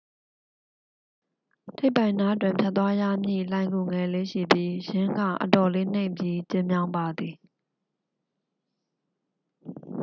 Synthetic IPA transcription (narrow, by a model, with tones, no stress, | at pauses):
tʰe˦ɪpã˨ɪ̃na˦ʔət̬wɪ̃˨mpʰja˦t̪̬ːwa˦jä̰˦˨mjḭ˦˨lã˨ɪ̃ŋɡu˨ŋɛ˨le˦ʃḭ˦˨bji˦jɪ̃˦ŋɡä̰˦˨ʔətɔ˨le˦n̥ẽ˦ɪ̃mpji˦t͡ɕɪ̃˦mjã˦ʊ̃mba˨d̪ði˨